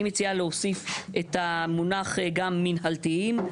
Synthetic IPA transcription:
met͡sialeosifet̪amunaχɡamːinɦaltiim

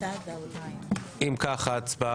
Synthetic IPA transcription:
ʔimkaχat͡sba

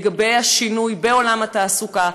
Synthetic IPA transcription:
ɡabe̞jhaʃinujbeo̞lamhat̪aːsuka

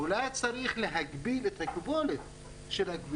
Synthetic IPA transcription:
ulajt͡saɾiχle̞ɦaɡbilet̪hakbolet | ʃe̞laɡvi

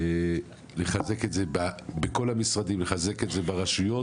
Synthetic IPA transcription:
e | le̞χaze̞ke̞tzebabeko̞lamisʁad̪imleχaze̞ketze̞baʁaʃujo̞

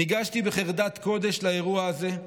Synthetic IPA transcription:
iɡaʃt̪ibeχeʁd̪at̪ko̞d̪eʃlae̞ʁuaːze̞

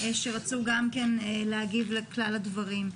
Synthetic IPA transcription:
eʃeʁat͡suɡamkenleaɡivleklaladvaʁim

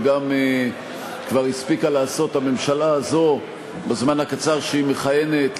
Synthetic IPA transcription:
ɡame | kvaʁispikalaːso̞thame̞mʃalaːzo̞ | bezmanhakat͡saʁʃeimeχaje̞ne̞t

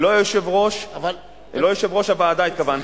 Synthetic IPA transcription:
lojoʃevʁo̞ʃ | lojoʃevʁo̞ʃavaːd̪ait̪̚kavan

